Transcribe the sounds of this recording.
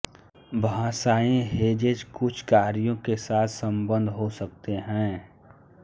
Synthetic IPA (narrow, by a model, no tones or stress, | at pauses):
bʱaãːsaːẽɦeːd͡ʒed͡ʒkʊt͡ʃʰkaːɾijõkesaːt̪ʰsə̃mbə̃nd̪ʱɦosək̚t̪eɦɛ̃ː